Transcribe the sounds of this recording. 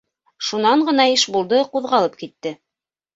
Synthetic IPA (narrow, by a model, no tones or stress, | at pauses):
ʃunɑɴɢɤ̆n̪ɑiʃbulˠd̪ɤquðʁɑlˠɤp̚kit̪ːɘ